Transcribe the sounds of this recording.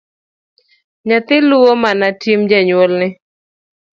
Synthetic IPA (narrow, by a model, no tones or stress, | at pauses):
ɲat̪ɪluwomanatimd͡ʒaɲwolnɪ